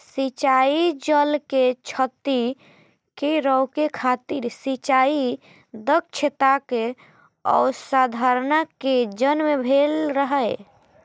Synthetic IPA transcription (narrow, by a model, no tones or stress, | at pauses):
sit͡ʃaid͡ʒəlket͡ʃʰət̪i | keɾəwkekʰat̪iɾsit͡ʃai | d̪ək̚t͡ʃʰet̪ake | ɔ̰sad̪ʱaɾnaked͡ʒənmebʱelɾəɦəj